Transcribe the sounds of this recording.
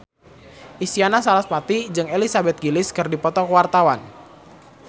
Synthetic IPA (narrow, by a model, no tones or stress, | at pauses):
ʔisianasalaspat̪id͡ʒɨŋelisabɛt̪̚ɡilɪskɨrdipɔt̪ɔkəwart̪awan